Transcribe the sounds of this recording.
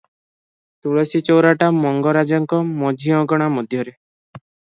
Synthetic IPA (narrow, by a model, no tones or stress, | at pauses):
t̪uɭɔsit͡ʃɔwɾaʈamɔŋɡɔɾad͡ʒɔŋkɔmɔd͡ʒʱiɔ̃ɡɔɽ̃amɔd̪ʱjɔɾe